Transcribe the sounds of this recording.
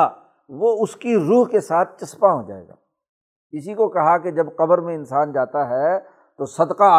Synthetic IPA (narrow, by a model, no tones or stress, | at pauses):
ʋoʊskiɾuːɦkesaːt̪̚ʰt͡ʃɐspaɦod͡ʒa̰ːḛːɡa̰ː | ɪsikokɐɦaked͡ʒɐbqɐbəɾmẽɪnsaːnd͡ʒaːt̪aɦɛ | t̪osɐd̪qaː